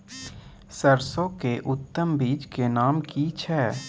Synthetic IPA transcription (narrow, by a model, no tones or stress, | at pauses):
səɾsõkeʔʊt̪ːəmbiːd͡ʒkenaːmkit͡ʃʰɛː